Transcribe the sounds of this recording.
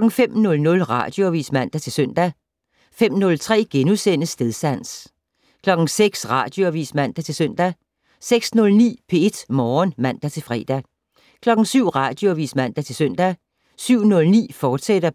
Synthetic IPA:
lɒ̽ɡ̥n̩femnɔ̽lnɔ̽lʁɑ̰̈d̥jo̝æʋḭːsmæn̰d̥æt͡sʰe̝lsøn̰d̥æ | fem̰nɔ̽lt͡sʰʁɛ̰ːɡ̥enusen̰əsːd̥eðˠsæn̰s | kʰlɒ̽ɡ̥n̩seɡ̥sʁɑ̈d̥joæʋḭːsmæn̰d̥æt͡sʰe̝lsøn̰d̥æ | seɡ̥snɔ̽lnḭːpʰe̝e̝d̥mɒːnmæn̰d̥æt͡sʰe̝lfʁɛ̰ːd̥æ | kʰlɒ̽ɡ̥n̩syʊ̰ʁɑ̈ːd̥joæʋḭːsmæn̰d̥æt͡sʰe̝lsøn̰d̥æ | syʊ̰nɔ̽lnḭːfɒːd̥sed̥ɐ

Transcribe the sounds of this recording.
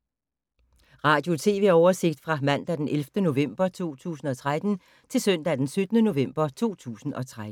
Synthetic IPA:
ʁɑ̈ːd̥jo̝t͡sʰe̝ːʋe̝̰ɒʊɐse̝ɡ̥̚d̥fʁɑ̈mæn̰d̥æd̥enʔelfd̥əno̝ʋem̰b̥ɐt͡sʰo̝̰ːt͡sʰṵːsn̩ɒ̽t͡sʰʁad̥n̩ | t͡sʰe̝lsøn̰d̥æd̥ensød̥ənəno̝ʋem̰b̥ɐt͡sʰo̝̰ːt͡sʰṵːsn̩ʔɒ̽t͡sʰʁad̥̩

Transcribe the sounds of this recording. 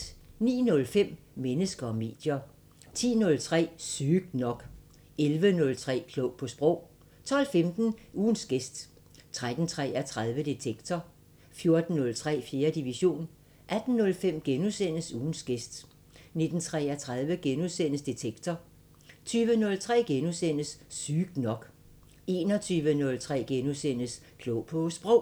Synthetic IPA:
nḭːnɔ̽lfem̰ | mːenəsɡ̥ɐɒ̽me̝̰ːd̥jɐ | t͡sʰḭːnɔ̽lt͡sʰʁɛ̰ːsyːɡ̥̚d̥nɒ̽ɡ̥ | elʋənɔ̽lt͡sʰʁɛ̰ːkʰlɔʊ̰pʰɒ̽sb̥ʁɔ̽ʊ̰ | t͡sʰɒ̽l̰femd̥n̩ʔuːnsɡ̥esd̥ | t͡sʰʁad̥n̩t͡sʰʁɛ̰æt͡sʰʁað̞ˠʋəd̥et͡sʰeɡ̥t͡sʰɒ | fjo̝ɐd̥n̩ːɔ̽lt͡sʰʁɛ̰ːfje̝ːɐd̥iʋiɕo̝̰ːn | ʔæd̥n̩ːɔ̽lfem̰ɡ̥enusen̰əsuːn̩sɡ̥esd̥ | ne̝d̥n̩t͡sʰʁɛ̰ːæt͡sʰʁað̞ˠʋəɡ̥enusen̰əsd̥et͡sʰeɡ̥t͡sʰɒ | t͡sʰyːʋənɔ̽lt͡sʰʁɛ̰ːɡ̥enusen̰əsːyːɡ̥nɒ̽ɡ̥ | e̝ːnɒt͡sʰyːʋənɔ̽lt͡sʰʁɛ̰ːɡ̥enusen̰əs | kʰlɔʊ̰pʰɒ̽sb̥ʁɔʊ̰

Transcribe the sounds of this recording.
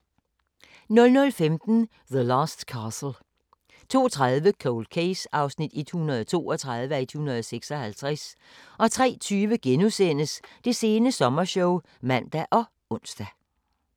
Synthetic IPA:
nɔ̽lnɔ̽lfemd̥n̩ | ðəlɑːsd̥kʰɑːsl̩ | t͡sʰo̝̰ːt͡sʰʁaðˠʋəkʰoʊlkʰeɪsɑ̈ʊsnid̥id̥hunɐð̞ˠt͡sʰo̝̰ːɒt͡sʰʁɑ̈ð̞ˠʋəæɐid̥hunɐð̞ˠseɡ̥sɒ̽hælt͡sʰʁæs | ʔɒ̽t͡sʰʁɛ̰ːt͡sʰyːʋəɡ̥enusen̰əsd̥e̝se̝ːnəsɒ̽mɐɕɔʊ | mæn̰d̥æʔɒ̽ | ɔ̽n̰sd̥æ

